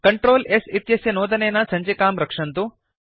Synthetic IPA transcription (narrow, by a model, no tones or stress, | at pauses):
kɐɳʈɾoːlesit̪jɐsjɐnoːd̪ɐneːnɐsɐɲd͡ʒekaːmɾɐkʂɐnt̪u